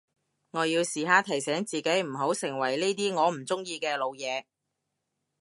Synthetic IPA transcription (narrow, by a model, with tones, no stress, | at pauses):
ŋɔː˨˧jiː˧wsiː˨ɦaː˨˧t̪ʰɐ˨˩jsɛː˨˥ŋt͡siː˨ke˨˥jm̩˨˩ɦo˨˥wsɪ˨˩ŋwɐ˨˩jne˥jt̪iː˥ŋɔː˨˧m̩˨˩t͡sʊ˥ŋjiː˧kɛː˧lo˨˧wjɛː˨˧